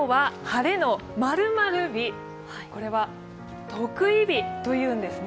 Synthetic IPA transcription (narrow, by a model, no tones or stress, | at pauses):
oβahaɾe̞no̞ | maɾɯ̟maɾɯ̟bʲi | ko̞ɾe̞βa | t̪ʰo̞kɯ̟ibʲit̪o̞jɯ̟̃ːnd̪e̞sɨn